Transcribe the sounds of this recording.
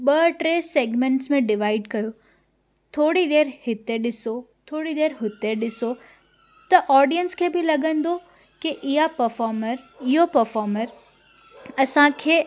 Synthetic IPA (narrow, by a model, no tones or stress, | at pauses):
ɓɐʈɾeːseːɡmẽɳʈsmẽɖɪʋaːɪɖkɐjo | t̪ʰoːɽid̪eːɾhɪt̪eɗɪso | t̪ʰoːɽid̪eːɾɦʊt̪eɗɪso | t̪ɐʔɔːɾɖijənskʰeːbʱɪlɐɡə̃nd̪o | kiʔɪɦapɐɾfɔːɾməɾ | ɪɦopɐɾfɔːɾməɾ | ɐsãkʰeː